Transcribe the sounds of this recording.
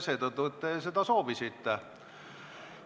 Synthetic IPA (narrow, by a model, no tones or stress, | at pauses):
seːt̪ət̪ːuet̪ːesed̪ɑsoːbisit̪ːe